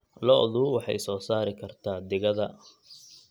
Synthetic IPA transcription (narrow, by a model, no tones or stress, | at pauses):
lɔʔðuwɑħɑ̰jsɔːsaːɾɪkʰɐrt̪ʰaːd̪ɪɣɐðɐ